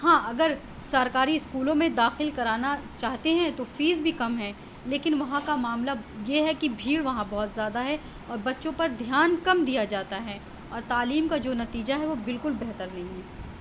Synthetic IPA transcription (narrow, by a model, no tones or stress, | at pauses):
hɦãːʔɐɡəɾ | sɐɾkaːɾiɪskuːlõmẽd̪aːxɪlkɐɾaːnat͡ʃaːɦt̪eɦɛ̃t̪ofiːzbʱikɐmɦɛ̃ | leːkɪnʋɐɦãkamaːmlajeɦɛkibʱiːɽʋɐɦãbɐɦʊt̪zjaːd̪aɦɛ | ɔːɾbɐtːʃõpɐɾd̪ʱjaːnkɐmd̪ijad͡ʒaːt̪aɦɛ | ɔːɾt̪aːliːmkad͡ʒoːnɐt̪iːd͡ʒaɦɛʋobɪlkʊlbɛɦt̪əɾnɐɦĩɦɛː